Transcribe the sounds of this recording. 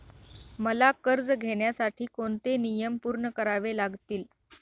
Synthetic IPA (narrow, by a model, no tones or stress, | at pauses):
məlakəɾd͡zɡʱeɳjasaʈʰiːkoɳt̪enijəmpuːɾɳəkəɾaʋelaɡt̪iːl